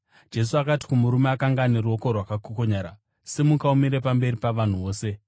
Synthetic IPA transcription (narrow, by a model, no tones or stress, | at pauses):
d͡ʒe̞s̬uakati̥kumuɾumeakaŋɡaneruo̞ko̞rwakakoko̞ɲaːɾa | semukaumiɾe̞pambe̞ripaʋan̤uʋo̞ːse̞